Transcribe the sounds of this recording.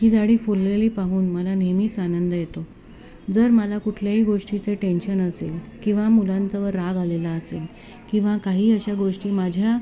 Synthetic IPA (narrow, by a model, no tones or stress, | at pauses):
ɦiːd͡zaɽiːfulːeliːpaɦuːnməlanemiːt͡sanənd̪əjet̪o | d͡zəɾməlakuʈʰljaɦiːɡoʂʈit͡seʈenɕənəselkĩw̃ʋamulant͡saʋəɾːaɡalelaəsel | kĩw̃ʋakaɦiːəɕaɡoʂʈiːmad͡ʑʱja